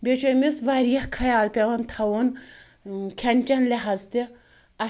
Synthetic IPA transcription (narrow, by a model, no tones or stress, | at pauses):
bʲet͡ʃʰomisʋaːɾijɐhkʰɐjaːlpʲeʋɐnt̪ʰɐwon | kʲʰɐnʲt͡ʃɐnlʲeɦazt̪i | ɐ